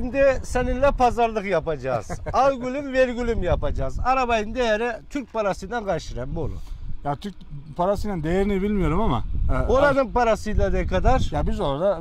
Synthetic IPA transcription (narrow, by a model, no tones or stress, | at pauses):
md̪ɛsɛninlʲɛpʰazaɾlˠɯqjapad͡ʒa̰ːzalɡʲylymveɾɡʲylʲymjapad͡ʒaːzaɾabajɯnd̪ejɛɾɛt̪ʰyɾk̚ʲpaɾasɯjd̪anɡɑʃɯɾanbolˠṵjat̪ʰyɾk̚pʰaɾasɯjnand̪ejɛɾinibilʲmijo̞ɾumama̰oɾanɯŋpʰaɾasɯjlˠad̪ɛkʰad̪aɾjabizoɾad̪a